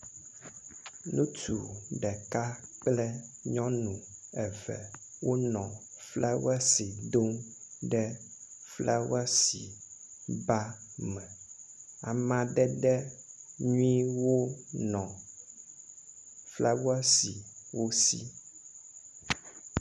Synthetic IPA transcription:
nũ˦t̪u˨ɖɛ˨ka˦k͡plɛ˦ɲɔ̃˦nũ˨ɛ˨vɛ̰˨ | wʔo˦nɔ̃˨ | flɛ˦wɛ˦si˨d̪o˦mɖɛ˦flɛ̰˦wɛ˦sḭ˨ | ba˦mɛ̃˨ | a˨mã˨ɖɛ˦ɖɛ˦ɲũ˦i˦wo˦nɔ̃˨ | flɛ˦wɛ˦si˨wʔo˦sḭ˦

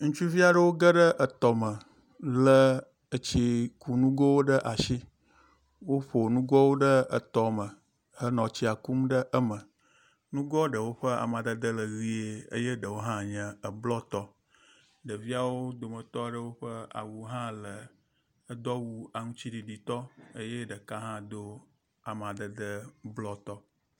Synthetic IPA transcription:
ŋũ˦t͡ʃu˦vi˦a˨ɖə˦wo˦ɡə˦ɖə˦ʔə˨t̪ɔ˨mə˨ | lə˦ | ə˨t͡ɕi˦ku˨nũ˦ɡɔ˦wo˦ɖə˦ʔa˨ʃi˦ | wo˦ɸo˨nũ˦ɡɔ˦wo˦ɖə˦ə̰˨t̪ɔ˨mə̃˨ | hə˦nɔ̃˨t͡ɕi˦a˨ku˦mɖə˦ʔə˦mə˨ | nũ˦ɡɔ˦ɖə˨wo˦ɸə˦a̰˨mã˨d̪ə˦d̪ə˦lə˨ɣi˦e˦ə̰˦je˦ɖə˨wo˦ɦã˦ɲɛ̃˨ə˨blɔ˦t̪ɔ˦ | ɖə˨vi˦a˨wo˦d̪o˨mə˨t̪ɔ˦˨ɖə˦wo˦ɸə˦a̰˨wu˨ɦã˦lə˨ | ə˦d̪ɔ˦wu˦a˨ŋũ˦t͡ɕi˦ɖi˨ɖi˨t̪ɔ˦ə˦je˦ɖə˨ka˦ɦã˦d̪o˦ | a˨m˨ã˨d̪ə˨d̪ə˦blɔ˦t̪ɔ˦

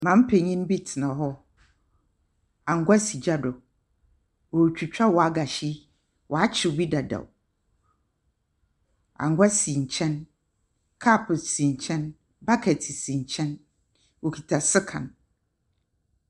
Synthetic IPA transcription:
mã˨m̩˦pʰe˨ɲĩ˦n˦bi˦tʰɪ˨nã˨ɦɔ˦ | ã˨ŋ̩˨˦ɡʷa˦si˨d͡ʑa˦dɔ˨ | wo˨t͡ɕᶣu˨t͡ɕᶣa˦wɔ˨a˨˦ɡa˨ɕi˦ | wʔɔ˨a˦t͡ɕʰɪ˨bi˦da˨da̰˨ | ã̰˨ŋɡʷa˦si˨ɲ̩˨t͡ɕʰɛ̃˦n | kʰa˦˨pʰsĩ˨ɲ̩˨t͡ɕʰɛ̃˦n | ba˦kʰɛ˨tʰɪ˨sĩ˨ɲ˨t͡ɕʰɛ̃˦n | wo˨kʰi˨tʰa˨sɪ˦kʰã̰˨n

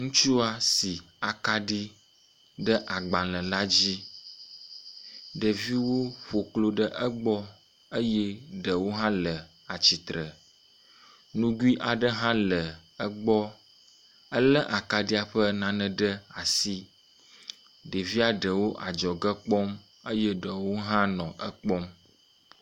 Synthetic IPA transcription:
ŋũ˦t͡ʃu˦a˦si˨ | a˨ka˦ɖi˦ | ɖə˦ʔa˨ɡ͡ba˨lə̃˨la˦d͡ʑi˦ | ɖə˨vi˦wo˦ɸo˨klo˦ɖə˦ʔə˦ɡ͡bɔ˦ | ə˦jɛ˦ɖə˨wo˦ɦã˦lə˨ | a˨t͡ɕi˨t̪ɾə˨ | nũ˦ɡu˦i˦ʔa˨ɖə˦ɦã˦lə˨ə˦ɡ͡bɔ˦ | ə˦lə˦ʔa˨ka˨ɖi˦a˨ɸə˦nã˨nə̃˨ɖə˦a˨si˦ | ɖə˨vi˦a˦ɖə˨wo˦ʔa˨d͡ʒɔ˨ɡə˦k͡pɔ˦m | ə˦jɛ˦ɖə˨wo˦ɦã˦nɔ̃˨ʔə˦k͡pɔ˦m

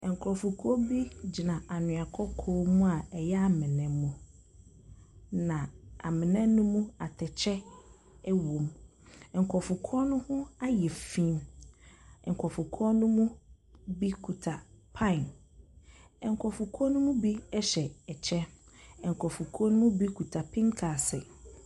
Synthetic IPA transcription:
ɛ˨ŋ˨kʰɾɔ˨fʊ˨kʰu˦ɔ˦bi˦d͡ʑi˨nã˨a˨nʊ̃˨a˨kʰɔ˦kʰɔː˦mũ˦a˨ɛ˨jɛ˦a˦mɪ̃˨nɛ̃ː˨ũ˦ | nã˨a̰˨mɪ̃˨nɛ̃˦nʊ̃˦mũ˦a˨tʰɛ˨t͡ɕʰɛ˦ | ɛ˦wõ˨m | ɛ˨ŋ̩˨kʰɔ˨fʊ˨kʰɔ˦nʊ̃˦hʊ̃˦a˦jɛ˨fĩ˦m | ɛ˨ŋ̩˨kʰɔ˨fʊ˨kʰɔ˦nʊ̃˦mũ˦ | bi˦kʰu˨tʰa˨pʰã˦ɪ˨n | ɛ˨ŋ˨kʰɔ˨fʊ˨kʰɔ˦nʊ̃˦mũ˦bi˦ɛ˦ɕɛ˨ɛ˨t͡ɕʰɛ˦ɛ˨ŋ̩˨kʰɔ˨fʊ˨kʰɔ˦nʊ̃˦mũ˦bi˦kʰu˨tʰa˨pʰĩ˦ŋkʰa˨sɪ̰˨

